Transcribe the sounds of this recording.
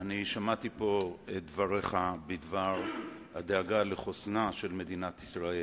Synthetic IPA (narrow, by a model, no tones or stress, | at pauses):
aniʃamat̪ipo̞et̪̚dvaʁeχabid̪vaʁhad̪eaɡaleχosnaʃe̞lme̞d̪inat̪isʁael